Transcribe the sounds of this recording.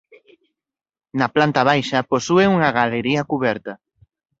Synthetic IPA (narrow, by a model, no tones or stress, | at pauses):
nɐplant̪ɐβ̞ajʃɐposueuŋɐɣaleɾiɐkuβɛɾt̪ɐ